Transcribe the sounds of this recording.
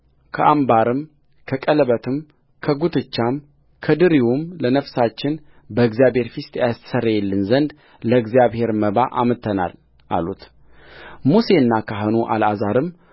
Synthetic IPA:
kʰəʔambaɾɨm | kʰəkʼələβət̪ʰɨm | kʰəɡut̪ʰɨt͡ʃːam | kʰəd̪ɨɾiwumlənəfsat͡ʃːɪn | bəɨɡzijaβhe̞ɾfist̪ʰʼjast̪ə̥sərːəjɛlːɨnzənd̪ | ləɨɡzijaβhe̞ɾməβaʔamɨt̪ʰːəna̰l | ʔa̰lṵt̪ | muse̞ɨnːakʰaɦɨnuʔa̰lazaɾɨm

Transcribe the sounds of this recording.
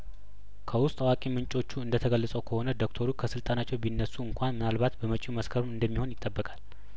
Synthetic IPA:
kʰəwʊst̪ʼwakʼimɨnt͡ʃʼo̞t͡ʃːuɨnd̪ət̪ʰəɡəlːəsʼəwkʰəho̞nəd̪okt̪ʰoɾukʰəsɨlt̪ʼanat͡ʃːɛwbinːəsːuɨŋkʷʰanmɨnalbat̪bəmət͡ʃʼuməskʰəɾmɨnd̪əmːiho̞njɪt̪ʼːəbːəkʼal

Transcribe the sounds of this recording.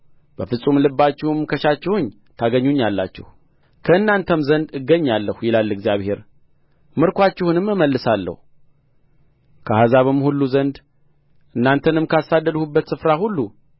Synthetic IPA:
b̥əfɨsʼumlɨbːat͡ʃːɪhɨmkʰəʃat͡ʃːɪhuɲ | t̪ʰaɡəɲːuɲːalːat͡ʃːɪ̰hu | kʰəɨnːant̪ʰəmzənd̪ɨɡːəɲːalːəhujɪlalːɨɡzijaβhe̞ɾ | mɨɾkʷat͡ʃːɪhunɨmːɨməlːɨsalːə̰hu | kʰəhazaβɨmhulːuzənd̪ | ʔɨnːant̪ʰənɨmkasad̪ːəd̪hubːət̪sɨfɾahulːu

